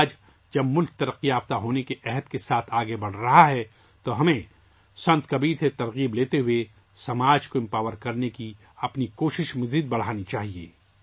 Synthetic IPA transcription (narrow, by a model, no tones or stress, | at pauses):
d͡ʒ | d͡ʒɐbmʊlk̚t̪ɐɾəqːijaːbt̪aɦoːnekeʔɛɦəd̪kesaːt̪ʰaːɡebɐɽ̤ɾɐɦaɦɛ | t̪oɦɐmẽ | sɐ̃nt̪kɐbiːɾset̪ɐɾɣiːbleːt̪eɦʊe | sɐmaːd͡ʒkoɪ̃mpaːwəɾkɐɾneki | ɐpnikoːʃɪʃmɐziːd̪̚bɐɽ̤aːnit͡ʃaːɦiḛː